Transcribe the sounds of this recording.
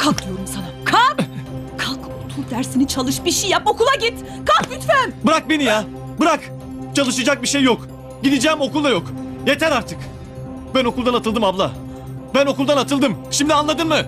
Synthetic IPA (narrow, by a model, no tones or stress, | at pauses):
kʰak̚d̪ujo̞ɾumsanakʰap | kʰakot̪ʰulˠd̪æɾsinit͡ʃʰalˠɯʃbiʃijjapokulˠaɟit̪ | kʰapbyt̪fænbɯɾak̚benija | bɯɾak | t͡ʃʰalˠɯʃɯd͡ʒak̚biʃejːok | ɟid̪id͡ʒɛːmo̞kulˠd̪ajo̞kje̞t̪ʰæɾaɾt̪ʰɯk | bæno̞kʰulˠd̪anat̪ʰɯlˠd̪ɯmablˠa | bæno̞kulˠd̪anat̪ʰɯlˠd̪ɯmʃimd̪ianlˠad̪ɯnmɯ